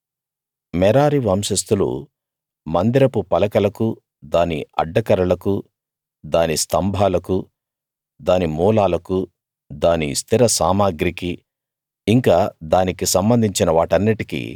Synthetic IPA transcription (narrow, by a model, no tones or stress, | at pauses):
mɛɾaːɾiʋɐmʃɐst̪ulṵ | mɐnd̪iɾɐpupɐlɐkɐlɐku | d̪aːniɐ̰ɖːɐkɐɾɐɭɐku | d̪aːnist̪ɐmbʱaːlɐku | d̪aːnimuːlaːlɐku | d̪aːnist̪ʰiɾɐsaːmaːɡɾiki | iŋkaːd̪aːnikisɐmbɐnd̪ʱiɲt͡ʃinɐʋaːʈɐnːiʈikḭ